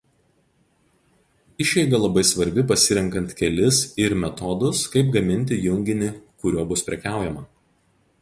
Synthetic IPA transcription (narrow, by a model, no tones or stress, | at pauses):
ɪʃʲɛɪɡɐlˠɐbɐɪsʋɐɾʲbʲɪpɐsʲɪɾʲɛŋˑkɐnʲt̪ʲkʲɛlʲɪsɪɾmʲɛt̪ɔd̪ʊskɐɪpɡɐmʲɪnʲt̪ʲɪjʊŋʲɡʲɪnʲɪkʊɾʲoːbʊspʲɾʲɛkʲæˑʊjɛmɐ